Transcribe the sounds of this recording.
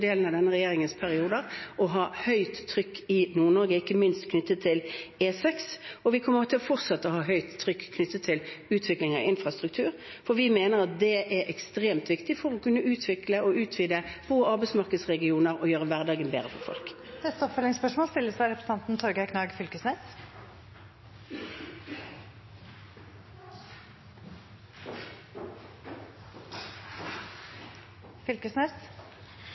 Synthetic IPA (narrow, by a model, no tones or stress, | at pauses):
d̪eːlən̩ɑʋd̪ɛnːəʁɛjeːʁɪŋənspʰæʁɪuːd̪əɾɔɦɑːhœʏt̪ʰːɾʏkːɪnuːʁɳɔɾɡəɪkːəmɪnst̪kʰnʏt̪ːət̪ʰːɪleːsɛksɔʋɪkʰɔnmːəɔt̪ʰɛlɔfɔʁt̪sɑt̪ːəɔɦɑːɦœʏt̪ʰːɾʏkːkʰːnʏt̪ːət̪ʰːɪlʉːt̪ʰʋɪklɪŋə̰ʔɪnfɾɑst̪ɾʉk̚t̪ʰʉːɾ | fɔʋɪmeːnəɾɑt̪̚d̪ɛʔɛɾʔɛkst̪ɾeːmt̪ʋɪkt̪ɪfɔɾɔkʰʉnːəʉːt̪ʰʋɪkləɔʉːt̪ʰʋiːd̪əb̥uːɑʁbæɪsmɑʁkəd̪sʁɛɡɪuːnəʁɔjøːʁəʋæʁd̪ɑːɡənbeːʁəfɔ̰ʁfɔ̰lkd̪ɛt̪ːəɔpfœlɪŋspœʂmoːlst̪ɪlːəsæɪɾɛpʰɾəsəɑnt̪n̩t̪ʰɔɾɡækʰnɑːɡfʏlkəsnes | fʏlkəsnes